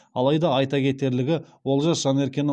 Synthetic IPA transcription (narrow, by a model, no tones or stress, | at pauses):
ɑlˠɑjd̪ɑɑjt̪ɑkʲʰe̞t̪e̞ɾlɪɡʲɪwo̞lˠʒɑsʒ̥ɑne̞ɾkʲe̞n